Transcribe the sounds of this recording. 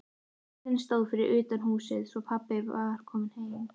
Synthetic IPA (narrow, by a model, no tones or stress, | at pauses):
θɪnst̪oːwðfɪɾɪɾʔʏːt̪anhuːsɪðsvɔpʰapːɪvaɾ̥kʰɔːmɪnheːjm